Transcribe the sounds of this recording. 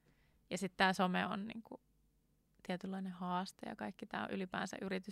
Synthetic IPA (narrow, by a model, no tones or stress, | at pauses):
jɑsit̪t̪æːsomeo̰nnḭːŋku | t̪iɛt̪ylːɑinehɑːst̪ḛjɑ̰kɑikːit̪æ̰ːo̰ʔylipæ̰ːnsæ̰ʔyɾit̪y